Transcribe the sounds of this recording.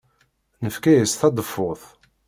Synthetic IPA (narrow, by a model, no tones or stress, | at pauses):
nəfkæjəsθɑd̪ˤəfːʊθ